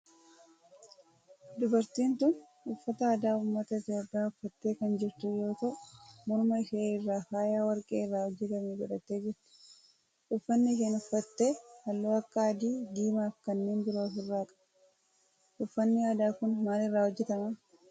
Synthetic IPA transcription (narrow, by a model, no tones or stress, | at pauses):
d̪ʊbɐɾt̪iːnt̪ʊn | ʊfːɐt̪ɐɐːd̪aːʊmːɐt̪ɐɪt̪jo̞ːpʼːɪjaːʊfːɐt̪ːe̞ːkɐnd͡ʒɪɾt̪ʊjo̞ːt̪ɐʔmɔɾmɐɪʃeːɪrːaːkaːjaːwɐɾkʼeːɪrːaːhɔd͡ʒːɛt̪ɐmeːd͡ʒɛᶑɐt̪ːeːd͡ʒɛɾt̪ɪ̥ | ʔʊfːɐnːɪk̬eːnʊfːɐt̪ːe̞ːhɐlːoːɐkːɐɐd̪iːd̪iːmaːfkɐnːeːndɪɾoɐfɪrːaːkʼɐ̥ | ʔʊfːɐnːɪaːd̪aːkʊnmaːlɪrːaːhɔd͡ʒːɛt̪ɐmɐ